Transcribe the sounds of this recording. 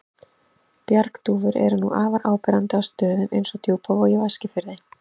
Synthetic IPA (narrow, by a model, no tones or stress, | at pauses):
pjaɾkt̪uːvʏɾɛ̰ɾnṵʔaːvaɾʔaːwpɛɾant̪ɪawst̪œːðʏmejnsɔt̪ʰjuːpʰavɔjɪvascɪfɪɾðɪ